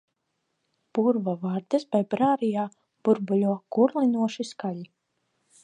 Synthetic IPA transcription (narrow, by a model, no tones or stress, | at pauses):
b̥uɾvavaːɾd̪ɛsbajbɾaːɾijaː | b̥uɾbulʲuɔɡ̥uɾlˠinuɔʃiskaʎi